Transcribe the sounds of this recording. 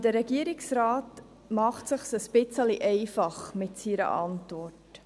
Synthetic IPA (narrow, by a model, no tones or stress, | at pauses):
dəɾəɡiəɾɪŋsraːt | mɑχtsəχsəsbɪt͡səliʔɛɪfɑχmɪtsiɾə̰ʔɑ̰ntvɔrtt